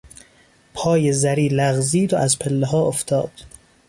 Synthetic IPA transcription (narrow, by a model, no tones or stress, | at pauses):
pʰɒːjezæɾiːlæɣziːd̪oʔæzpʰelːeɦɒːoft̪ʰɒ̰ːd̪̥